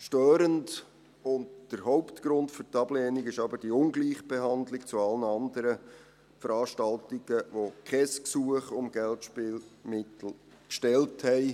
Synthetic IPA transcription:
ʃtøːɾənd | ʊndd̥əɾɦɔʊptɡ̥ɾʊndfʏɾtɑb̥lɛːniɡɪʃɑbəɾd̥iʊnɡliːχb̥eɦɑndlɪkt͡suɑlənɑndəɾə | fəɾɑːʃtɑltɪɡ̥əʋokʰχɛsksuəχʊmɡ̥ɛltʃpɪːlmɪtl̩ | kʃtɛlthɛɪ

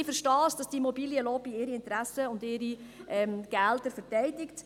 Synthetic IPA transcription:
fəɾʃtɑːsd̥ɑsd̥imɔbiljəlɔːbiɪɾiɪntɾæsəʊndɪɾi | ʔɛmɡ̥ældəɾfəɾtɛɪdɪkt

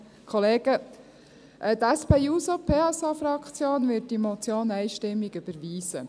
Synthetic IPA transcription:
kʰχɔleːɡə | ʔɛtæspeːusopʰeːɛsɑfɾɑkʰt͡sjoːnʋɪt̚d̥imɔt͡sjoːnæjʃtɪmːiɡyb̥əɾʋiːsə̰

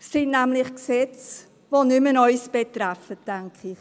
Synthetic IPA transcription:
sɪnnæmlɪχksɛt͡s | vonymənɔʏsb̥etɾɛfət̚dɛŋkʰɪχ

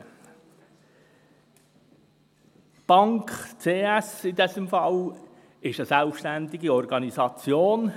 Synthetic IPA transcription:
b̥ɑŋkt͡seːɛsɪdɛsəmfɑl | ɪʃəsælfʃtændɪɡiɔrɡɑnizɑt͡sjoːn

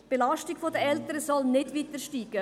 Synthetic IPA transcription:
b̥elɑʃtiɡ̥fodəɛltəɾəsɔlnɪdvitəʃtiːɡ̥ə

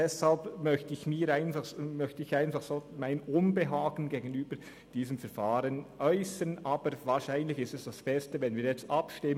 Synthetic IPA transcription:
d̥ɛshalpmœçtəɪçmiːɾaɪnfaχmœçtəɪçaɪnfaχsoːmaɪnʊnbəɦaːɡn̩ɡeːɡən̩yːbəɾ | d̥iːzəmfɛɾfaːɾənʔœʏsənʔaːbəɾvaːɾʃaɪnlɪçɪstɛsd̥asbɛstəvɛnviːɐɾjɛt͡stapʃtɪmə

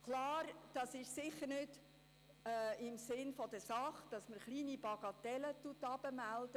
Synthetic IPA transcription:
kʰlɑːɾd̥ɑsɪʃsɪχəɾnʏd | ɪmsɪnfɔd̥əsɑχd̥ɑsməɾχliːnibɑɡ̥ɑt̪ɛlət̪utɑb̥əmæld̥

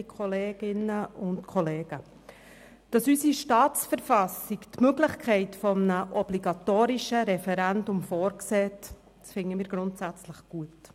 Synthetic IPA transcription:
kʰχɔleːɡ̥ɪnəʊntkʰɔleːɡ̥ə | d̥ɑsysiʃtɑːt͡sfəɾfɑsiktmøɡlɪχkʰɛɪtfɔmənəʔɔbliɡɑtoːɾɪʃəɾɛfɛɾændʊmfɔːɾksɛːt | sfɪŋːəmiːɾɡɾʊntsæt͡sləχɡ̥uət

